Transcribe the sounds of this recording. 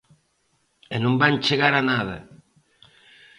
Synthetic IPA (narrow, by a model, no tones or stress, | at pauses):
enõmbant͡ʃeɣaɾanaðɐ̰